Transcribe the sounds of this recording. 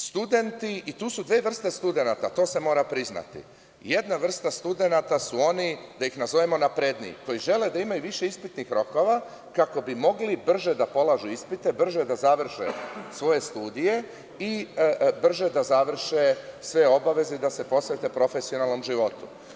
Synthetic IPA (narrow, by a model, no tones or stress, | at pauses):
st̪ud̪e̞nt̪iit̪uːsud̪ʋe̞ːʋr̩st̪e̞st̪ud̪e̞nat̪at̪o̞ːse̞mo̞ːɾapɾizna̰t̪ḭ | je̞d̪naʋr̩st̪ast̪ud̪e̞nat̪asuo̞nid̪ajixnazoʋemo̞napɾed̪nḭko̞jiʒe̞le̞d̪aimajuʋiʃeispit̪nixɾo̞ko̞ʋa | kako̞bimo̞ɡlibr̩ʒed̪apo̞lˠaʒuispit̪e̞br̩ʒed̪azaʋr̩ʃḛsʋo̞je̞st̪uːd̪ije̞ | ibr̩ʒe̞d̪azaʋr̩ʃesʋe̞o̞baʋe̞zeid̪ase̞po̞sʋe̞t̪e̞pɾo̞fe̞sio̞nalˠno̞mʒiʋo̞t̪ṵ